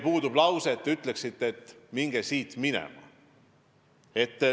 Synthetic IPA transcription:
puːd̪ub̥lɑwset̪ːyt̪ːˑle̞ksit̪ːet̪ːˑmiŋɡ̥esiːt̪minɛ̰mɑ̰ | e̞t̪ː

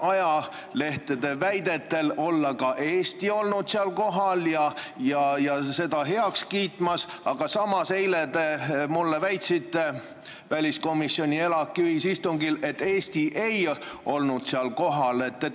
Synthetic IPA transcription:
ɑjɑ | le̞ht̪ed̪̥e̞væjd̪e̞t̪ːe̞lo̞lːɑkɑʔeːst̪io̞lnud̪̥seɑlko̞ɦɑljɑjɑjɑse̞d̪̥ɑɦe̞ɑkskiːt̪mɑsɑɡ̥ɑsɑmɑse̞jled̪emulːe̞væjt̪sit̪ːˑe | vælʲisko̞misːio̞nʲie̞lɑkːˑiyhisist̪uŋɡile̞t̪ːe̞ːst̪iʔe̞jo̞lnud̪̥seɑlko̞ɦɑle̞t̪ːe

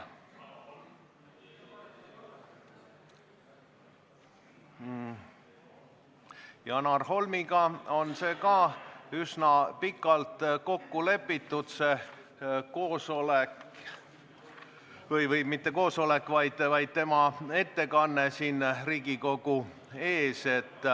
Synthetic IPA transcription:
jɑnɑrɦo̞lmiɡɑo̞nse̞ːkɑysnɑpikːˑɑlt̪ko̞kːule̞pːit̪ːˑud̪̥se̞ | koːsolek | vɤjvɤjmit̪ːe̞ko̞ːso̞lekvɑjd̪̥vɑjd̪̥̚t̪e̞mɑe̞t̪ːe̞kɑnːe̞siːnriːɡiko̞ɡ̥u | e̞ːse̞t̪ːˑ

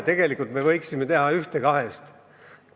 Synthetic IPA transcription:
t̪e̞ɡ̥e̞likːˑult̪me̞vɤjksime̞t̪e̞ɦɑyht̪ekɑɦe̞st̪

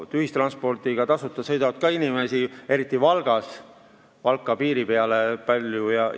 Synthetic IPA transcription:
t̪yhist̪rɑnspo̞rt̪iɡ̥ɑt̪ɑsut̪ːˑɑsɤ̞jd̪ɑvɑd̪̥̚kɑinime̞sie̞ɾit̪ˑːivɑlɡ̥ɑs | vɑlkːˑɑpiːɾipe̞ɑlepɑlʲjujɑ

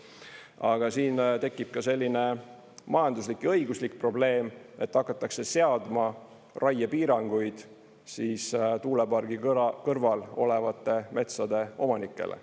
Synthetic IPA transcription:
ɑɡ̥ɑsiːnt̪e̞kːˑib̥̚kɑse̞lʲːine̞ | mɑjɑnd̪uslikːjɤ̞jɡuslikpro̞ble̞ːme̞t̪ːɑkːˑɑt̪ːˑɑkse̞se̞ɑd̪̥mɑ | rʔɑjɑpiːɾɑŋɡ̥ujd̪̥ | siːst̪uːlepɑrɡ̥ikɤrvɑlo̞levɑt̪ːˑe̞me̞t̪sɑd̪e̞o̞mɑnikːˑe̞̰lʔḛ

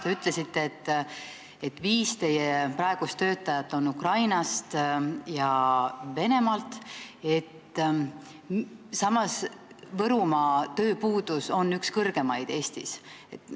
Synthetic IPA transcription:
t̪e̞yt̪ːˑle̞sit̪ːeet̪ː | e̞t̪ːviːst̪e̞jepɾɑe̞ɡ̥ust̪ːø̞ːt̪ːˑɑjɑt̪ːˑo̞nːukrɑjnɑst̪jɑve̞ne̞mɑlt̪e̞t̪ː | sɑmːɑs | vɤɾumɑt̪ø̞ːpuːd̪̥uso̞nːykskɤrɡ̥e̞mɑjd̪̥e̞ːst̪ise̞t̪ːˑ

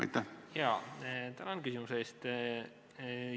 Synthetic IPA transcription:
ɑ̰jt̪ːæhjɑːt̪ænonkysimuseːst̪

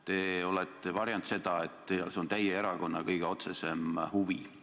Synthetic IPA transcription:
t̪e̞o̞let̪ːˑevɑɾjɑnt̪se̞d̪̥ɑe̞t̪ːeseo̞nt̪æjeeɾɑko̞nːɑkɤjɡ̥eo̞t̪se̞se̞mhuvḭ

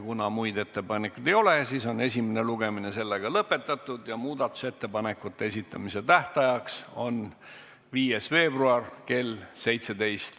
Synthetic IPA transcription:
kunɑmujd̪e̞t̪ːe̞pɑnekːˑud̪̥e̞jo̞lesiːso̞ne̞sʲimene̞luɡe̞mine̞se̞lːeɡ̥ɑlɤpːˑe̞t̪ːˑɑt̪ːˑud̪̥jɑmuːd̪̥ɑt̪ːˑu̥se̞t̪ːe̞pɑne̞kːut̪ːe̞esit̪ˑːɑmise̞t̪æht̪ɑjɑkso̞n | viːje̞sve̞ːbruɑrke̞lse̞jt̪se̞d̪e̞jst̪

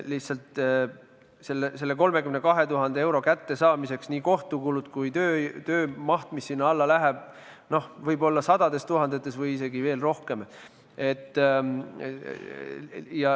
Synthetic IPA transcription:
liht̪sɑlt̪ | se̞lːese̞lːe̞ko̞lme̞kymnekɑɦe̞t̪uɦɑnd̪eewɾo̞kæt̪ːe̞sɑːmise̞ksniːko̞ht̪ukulut̪kujt̪øːt̪øːmɑht̪misːinːɑlːɑlæɦeb̥̚ | no̞hvɤjbo̞lːɑsɑd̪̥ɑd̪e̞st̪uɦɑnd̪e̞t̪ːˑe̞svɤjise̞ɡive̞ːlro̞hke̞m | e̞t̪ː | jɑ

